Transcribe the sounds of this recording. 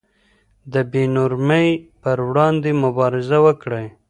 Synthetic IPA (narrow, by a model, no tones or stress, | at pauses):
d̪əbenʊɾməjpəɾwɽɑnd̪emʊbɑɾɪzawəkɽəj